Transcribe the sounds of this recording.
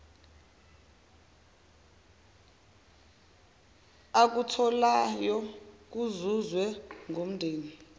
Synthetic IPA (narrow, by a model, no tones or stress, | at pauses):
ak̬utʰɔlajɔk̬uzuzwɛŋʱom̩ndʱeːni